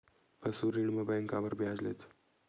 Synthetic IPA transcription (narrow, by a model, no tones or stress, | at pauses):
pəsuɾiɳməbajŋkaʋəɾbʱjad͡zlḛt̪